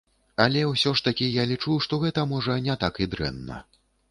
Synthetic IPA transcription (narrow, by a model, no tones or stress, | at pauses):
alʲɛwsʲɔʂt̪ɐkʲijalʲit͡ʂuʂt̪ɔɣɛt̪ɐmɔʐɐnʲɛt̪akid̪ɾɛ̰nːɐ̰